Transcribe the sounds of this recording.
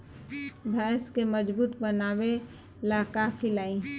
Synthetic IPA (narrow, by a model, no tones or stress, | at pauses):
bʱɛːskeməd͡ʒbuːt̪bənaːwe | laːkakʰɪlaːi